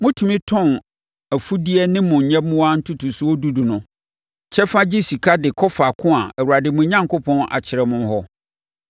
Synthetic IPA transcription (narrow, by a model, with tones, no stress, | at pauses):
mʊ̃˦tʰu˨mĩ˦tʰɔ̃˦˨n | æ˨fu˦di˦ɛ˦nɪ̃˦mʊ̃˨ɲ˨ɲɛ̃˦mʊ̃˦wa˦n̩˦tʰu˦tʰu˨su˦ɔ˦du˦du˨nʊ̃˨ | t͡ɕʰɛ˦fa˦d͡ʑɪ˦si˨kʰa˦dɪ˨kʰɔ˦fa˨kʰʊ̃˦a˨ɛ˨wu˨a˨dɪ˨mʊ̃˨ɲã˦ŋkʰo˦pʰɔ̃˦na̰˨t͡ɕʰɪ˨ɾɛ˨mʊ̃˦n˦ɦɔ˦